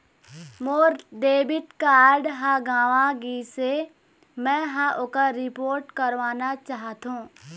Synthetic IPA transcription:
moːɾɖeːbɪʈkaːɾɖɦãɡãːʋaɡise | mɛ̃ɦãʔʊkaɾɪpoːɾʈkəɾʋaːnat͡ʃaːɦt̪ɦũː

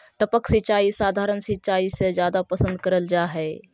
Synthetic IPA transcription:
ʈəpəksɪt͡ʃaːisaːd̪ʱaːɾənsɪt͡ʃaːised͡ʒjaːd̪apɐsə̃nd̪̚kəɾəld͡ʒaːɦɛː

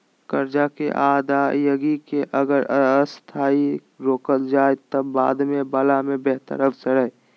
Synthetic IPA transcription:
kəɾd͡ʒakḛʔaːd̪aːjəɡikeʔəɡəɾst̪ʰaːi | ɾoːkəld͡ʒaːet̪əbːa̰ːd̪mẽbalamẽbeɦt̪ə̰ɾəfʰsəɾəɦe

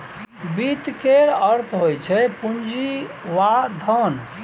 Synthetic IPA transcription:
bit̪keɾəɾt̪ʰɦojt͡ʃʰɛpund͡ʒiʋad̪ʱən

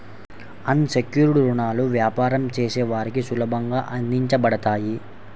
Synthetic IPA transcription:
ɐnsekjuːɾiʈiɾuɳaːluʋjaːpaːɾɐmt͡ʃeːsɛːʋaːɾikisulɐbʱɐŋɡaːʔɐnd̪iɲt͡ʃɐbɐɽɐt̪aːji

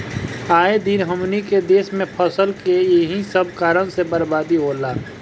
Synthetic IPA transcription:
aːed̪inɦəmniked̪eːsmẽpʰəsəlkejɦisəb̚kaːɾəñsebəɾbaːd̪iɦoːlaː

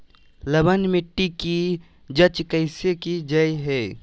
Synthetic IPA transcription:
ləbənmɪʈːiki | d͡ʒət͡ʃkəɪsekid͡ʒəiɦɛː

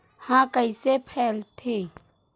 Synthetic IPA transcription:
hãːkəisepʰɛːlt̪ʰeː

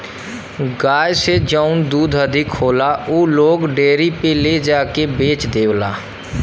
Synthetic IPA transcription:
ɡaːjsed͡ʒaʊnd̪uːd̪əd̪ʱɪkhoːlaːoːloːɡɖeːɾiːpeːleːd͡ʒaːkeːbeːt͡ʃd̪eːʋla̰ː

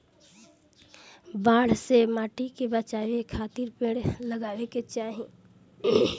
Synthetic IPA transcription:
baːɽ̤semaːʈikebət͡ʃaːʋekʰaːt̪ɪɾpẽːɽlɐɡaːʋeket͡ʃaːɦi

